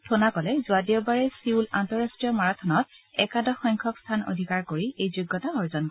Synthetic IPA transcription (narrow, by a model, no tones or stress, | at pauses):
tʰonakɔlɛzʊadiɔbaɹɛsiula̰ntɔɹastɹijɔmaɹatʰɔnɔt̚ɛ̰kadɔxɔjŋkʰɔkstʰano̰dʱikaɹkoɹiʔejzuɡːɔtaɔɹzɔnk